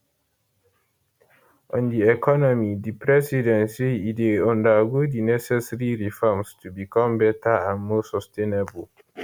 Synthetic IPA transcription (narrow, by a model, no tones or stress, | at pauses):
ʔɔ̃ndiɛkɔnɔmidipɹɛsidɛ̃nsiːteɔ̃ndaɡodinɛsɛsɛɹiɹifɔmstʰubikɔ̃mbɛtaãnmosɔstʰẽnɛbəl